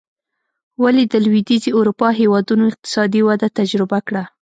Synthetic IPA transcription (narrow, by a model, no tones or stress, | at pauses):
walid̪əlwid̪izeʊɾupɑɦewɑd̪unoɪq̚t̪ɪ̥sɑd̪iwad̪at̪ad͡ʒɾɪbakɽa